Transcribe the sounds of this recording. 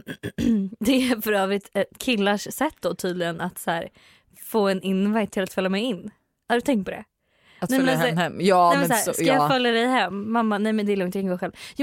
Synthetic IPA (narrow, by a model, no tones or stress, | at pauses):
d̪ɛæɾfœɾœːvɾɪt̪ɛkʰɪlːaʂsɛt̪ːd̪ɔt̪ʰyːd̪lɪɡənat̪sæːɾ | foːɛnɪnvajt̪ʰːɪlat̪fœlːamɛjɪnː | hadɵt̪ʰɛŋkt̪pɔd̪ɛ̰ | t̪nɛmlɛɛɛmːɛːmɛsahæskajɑfœljad̪ɛjɦɛmːamːanɛjmɛnd̪ɛlɔŋt̪jaɪŋɡoːɾɧɛlvj